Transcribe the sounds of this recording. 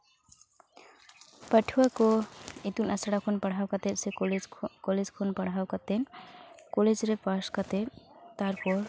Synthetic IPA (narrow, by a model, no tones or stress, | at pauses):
pəʈʰuwakoit̪unasəɽakʰonpəɽ̤ɦawkat̪eselkoled͡zkʰonpəɽ̤ɦawkat̪enkoled͡zɾepaskʌt̪et̪aɾkoɾ